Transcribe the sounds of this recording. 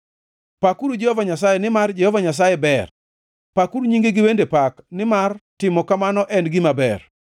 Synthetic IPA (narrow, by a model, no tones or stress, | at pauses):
pakuɾud͡ʒehɔvaɲas̬ajenɪmard͡ʒɛhɔvaɲas̬ajɛbɛr | pakuɾuɲiŋɡeɡɪwendepaknɪmartɪmɔkamanɔʔɛnɡɪmabɛ̰r